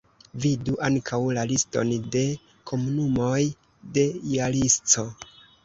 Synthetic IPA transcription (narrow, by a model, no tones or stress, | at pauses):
viduʔaŋkʰawlalisto̞̰nde̞ | kʰo̞munumo̞j | de̞jalist͡so̞